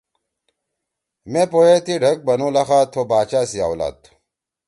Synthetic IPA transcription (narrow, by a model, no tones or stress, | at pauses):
mẽpojet̪iɖʱɐk̚bɐnulɐxaːt̪ʰobaːt͡ɕaːsija̰ːwla̰ːt̪